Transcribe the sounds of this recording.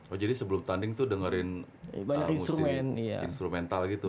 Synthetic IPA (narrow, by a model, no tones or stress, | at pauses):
wad͡ʒadisəbəlʊmt̪andɪŋt̪ʊdəŋəɾɪn | baɲa̰kinsust̪ɾumɛnia̰ḭnst̪ɾumɛnt̪alɡit̪u